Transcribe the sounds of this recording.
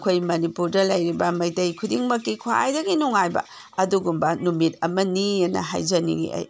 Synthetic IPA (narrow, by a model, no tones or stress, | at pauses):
kʰojmɐnipuɾdɐlɐjɾibɐmɐjtɐjkʰudiŋmɐkːikʰwa̰jdɐɡinuŋajbɐ̰ | ɐduɡumbɐnumit̚ɐmɐniɐnɐ̰ɦa̰jzɐnḭɡḭʔɐ̰j